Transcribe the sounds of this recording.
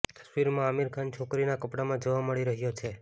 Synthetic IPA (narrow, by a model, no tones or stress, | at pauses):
t̪ə̥sʋiɾmãəmiɾkʰant͡ʃʰokɾinakəpɽamãd͡ʒoʋaməɭiɾəɦjot͡ʃʰe